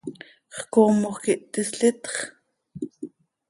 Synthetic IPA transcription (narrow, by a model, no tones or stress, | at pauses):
χkoːmoχkiʔt̪ʼisɬit̪χ